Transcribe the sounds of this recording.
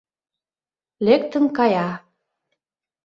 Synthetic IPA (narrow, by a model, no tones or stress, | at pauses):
lek̚t̪ə̆ŋkɑjɑ